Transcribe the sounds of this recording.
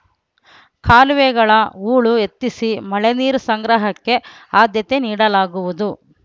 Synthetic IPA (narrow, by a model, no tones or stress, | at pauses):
kʰaːlʋeɡɐɭɐuːɭue̞t̪ːisimɐɭeniːɾusɐŋɡɾɐɦɐkːe̞ | aːd̪jɐt̪e̞niːɽɐlaːɡuʋud̪u